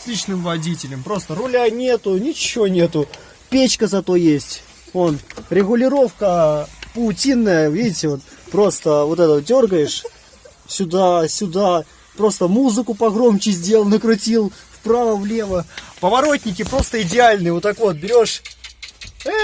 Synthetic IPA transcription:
sʲlʲit͡ɕnɨmvɐdʲitʲɪlʲɪmpɾo̞st̪ərʊlʲanʲe̞t̪ʊnʲɪt͡ɕɪvonʲe̞t̪ʊ | pʲet͡ɕkəzɐt̪o̞jesʲtʲ | o̞nɾʲɪɣʊlʲɪɾo̞fkəpʊʊtʲinːəjəvʲidʲɪtʲɪvo̞t̪pɾo̞st̪əvo̞t̪ɛt̪əədʲo̞rɡəjɪʂ | sʲʊd̪asʲʊd̪a | pɾo̞st̪əmuzɨkʊpɐɣɾo̞mt͡ɕɪzʲdʲe̞lˠəlˠnəkɾʊtʲilˠfpɾavəvlʲe̞vəpəvɐɾo̞tʲnʲɪkʲɪpɾo̞st̪əɪdʲɪalʲnɨjvot̪ːakvo̞t̪̚bʲɪɾʲo̞ʂ

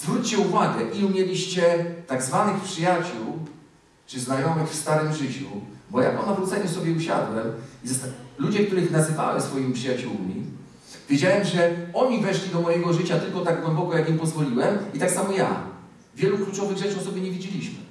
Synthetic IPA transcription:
zvɾut͡ɕt͡ɕɛuvaɡɛʔiumʲjɛlʲiɕt͡ɕɛt̪aɡzvanɘxpʂɘjat͡ɕuw | t͡ʂɘznajɔmɘxfst̪aɾɘmʐɘt͡ɕṵbɔja̰pɔnavɾut̪sɛɲɛsɔbʲjɛuɕa̰d̪wɛmizlud͡ʑɛk̚t̪uɾɘxnazɘva̰wɛsfɔjimipʂɘjat͡ɕuwmʲḭ | vʲjed͡ʑawɛmʐɛɔɲivɛʂlʲid̪ɔmɔjɛɡɔʐɘt͡ɕat̪ɘlkɔt̪aɡ̚ɡwɛmbɔkɔjakimpɔzvɔlʲiwɛmit̪aksamɔja̰ | vʲjɛluklut͡ʂɔvɘɣʐɛt͡ʂɨɔsɔbjɘɲɛvʲid͡ʑɛlʲiɕmɘ̰

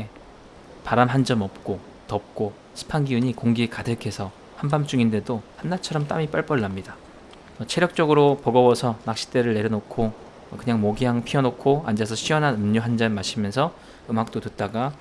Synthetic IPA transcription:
e | paɾamɦand͡ʑʌmʌp̚k͈o | tʌp̚k͈o | ɕʰi̥pʰanɡiuɲikoŋɡikadɯkʰe̞sʰʌ | hambamt͡ɕ͈uŋinde̞dohanːat͡ɕʰʌɾʌmt͈a̰mip͈aɭp͈ʌɭːamɲida | ʌt͡ɕʰe̞ɾjʌk̚t͡ɕ͈ʌɡɯɾopʌɡʌwʌsʰʌnak̚ɕ͈ʰi̥t͈e̞ɾɯɭːe̞ɾjʌnokʰo | kɯɲaŋmoɡiɦaŋpʰiʌnokʰoand͡ʑasʰʌɕʰiwʌnɦanɯmɲoɦand͡ʑanmːaɕʰimjʌnsʰʌ | ɯmɦak̚t͈otut̚t͈aɡa

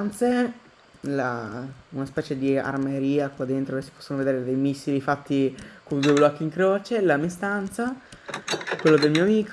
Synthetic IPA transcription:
nt̪se | launaspɛːt͡ʃed̪ia̰rmeɾiːakwad̪ent̪ɾoesi̥pɔ̥sːonoved̪eːɾed̪ejmisːilifat̪ːikond̪uːeblɔkːiŋkɾoːt͡ʃelamist̪ant̪sa | kwelːod̪elmiːoamiːk

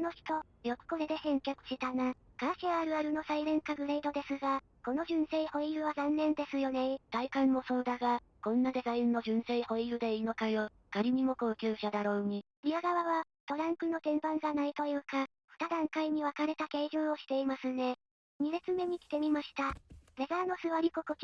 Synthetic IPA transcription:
no̞çi̥t̪o̞ | jo̞kɯ̟̥ko̞ɾe̞d̪e̞hẽ̞ŋkʲakɯ̟̥ɕit̪anakaɕiaɾɯ̟aɾɯ̟no̞saiɾẽ̞ŋkaɡɯ̟ɾe̞id̪o̞d̪e̞sɨɡa | ko̞no̞ʑɨ̃ɰ̃se̞iho̞ijɯ̟βazãnːẽ̞nd̪e̞sɨjo̞ne̞t̪aikãmːo̞soːd̪aɡa | kõ̞nːad̪e̞zaĩnːo̞ʑɨ̃ɰ̃se̞iho̞ijɯ̟d̪e̞iino̞kajo̞ | kaɾʲimʲimo̞ko̞ːkʲɨːɕad̪aɾo̞ːɲ̟i | ɾʲiaɡaβaβa | t̪o̞ɾãŋkɯ̟no̞t̪ẽ̞mbãŋɡanait̪o̞jɯ̟ːka | ɸɯ̟̥t̪ad̪ãŋkaiɲ̟iβakaɾe̞t̪ake̞ːʑɨ̃ːɰ̃o̞ɕi̥t̪e̞imasɨne̞ | ɲ̟ibet͡sɨme̞ɲ̟ikʲi̥t̪e̞mʲimaɕi̥t̪abe̞zano̞sɨβaɾʲikokoki

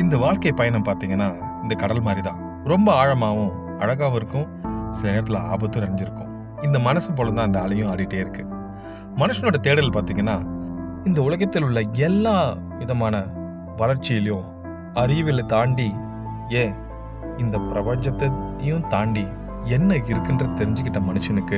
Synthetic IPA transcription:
ɪnd̪ɐʋaːɭkɐjpɐjɐnɐmpaːɾt̪iːŋɡɐnːaːɪnd̪ɐkɐɽɐlmaːd̪ɾit̪ãː | ɾɔmbɐaːɻɐmaːʋʊ̃ | ɐɻɐɣaːʋɪɾɯkːʊ̃ | sɪlɐneːɾɐt̪ːɪla̰ːbɐt̪ːɯ̃nɐɾɐɲd͡ʒɪɾɯkːʊ̃ | ɪnd̪ɐmɐnɐsɯpoːlɐ̃nt̪ãːɪnd̪ɐːlɐjʊ̃ɐːɽɪʈːeːɪɾɯkːɯ | mɐnɯʂɐnoːɽɐt̪eːɽɐlpaːɾt̪iːŋɡɐnːaː | ɪnd̪ɐʊɭɐɣɐt̪ːɪlʊɭːɐɛlːaː | ʋɪðɐmaːnɐ | ʋɐlɐɾt͡ʃːɪjɐlɪjʊ̃ | ɐɾɪʋɪlɐt̪aːɳɖi | eː | ɪnd̪ɐpɪɾɐbɐɲd͡ʒɐt̪ːɐt̪ːɪjʊ̃t̪aːɳɖi | ɛnːɐɪɾɯkːɯndrɐt̪ɛɾɪɲd͡ʒɪkːɪʈːɐmɐnɯʂɐnɯkːɯ

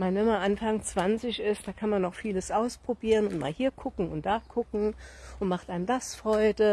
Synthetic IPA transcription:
manvɛmanʔanfaŋt͡sv̥ant͡sɪçɪstd̥aːkʰanmanːɔχfiːləsʔaʊspʁ̥obiːʁənʊntma̰ːlhiːɐkʰʊkŋ̩ʊnt̚d̥aːkʰʊkŋ̩ʔʊntmaχtʔaɪəndasfʁ̥ɔʏdə

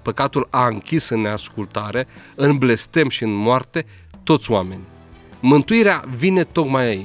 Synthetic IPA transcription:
pəkat̪ulaɨŋkʲisɨnneaskult̪aɾe̞ɨnble̞st̪e̞mʃiɨnmoart̪e̞ | t̪o̞t̪sʲoame̞nʲ | mɨnt̪uiɾeavine̞t̪o̞kmajai

